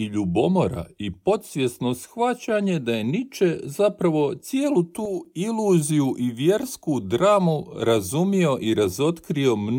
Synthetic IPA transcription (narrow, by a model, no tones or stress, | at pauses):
iʎubo̞mo̞ɾa̰ipo̞t̪sʋʲje̞sno̞sxʋat͡ɕaɲe̞d̪aje̞nit͡ʃe̞zapɾaʋo̞t̪sje̞ːlˠut̪uːiluːzijuʔiʋje̞ɾskud̪ɾaːmuɾazumio̞ʔiɾazo̞t̪kɾio̞mn